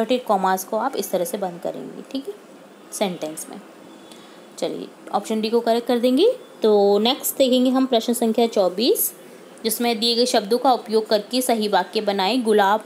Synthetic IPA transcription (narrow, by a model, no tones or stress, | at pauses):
əʈɪɖkɔːmaːskoaːpɪst̪ɐɾəɦsebɐ̃nd̪̚kɐ̰ɾḛ̃ːŋɡḭʈʰiːkɛ | sɛ̃ɳʈɛ̃nsmḛ̃ | t͡ʃɐlḭjḛɔ̰ːpʃənɪʈikokɐɾɛkkɐɾd̪ẽːŋɡit̪oːneːksʈd̪eːkʰẽːŋɡeɦɐmpɾɐʃnsɐ̃ŋkʰjat͡ʃɔːbiːs | d͡ʒɪsmẽd̪ieɡɐeʃɐbd̪õkaʊpjoːɡ̚kɐɾkesɐɦibaːkːebɐnaːẽɡʊlaːb